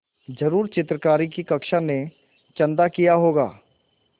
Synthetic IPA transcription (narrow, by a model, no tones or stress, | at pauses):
d͡ʒɐɾuːɾt͡ʃɪt̪ɾəkaːɾikikɐkʃane | t͡ʃɐ̃nd̪akijaɦoːɡa̰ː